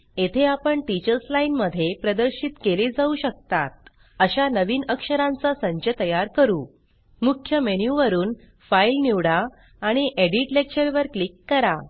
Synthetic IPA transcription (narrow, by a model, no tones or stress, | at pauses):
et̪ʰeapəɳʈit͡ɕəɾslainməd̪ʱːjepɾəd̪əɾɕit̪keled͡zauɕək̚t̪at̪̚ | əɕanəʋiːnəkʂəɾãnt͡sasə̃ɲt͡ɕət̪əjaɾkəɾuː | mukʰːjəmenjuʋəɾuːn | failniʋɽaː | ɽ̃iʔeɽiʈlekt͡ɕəɾʋəɾklikːəɾa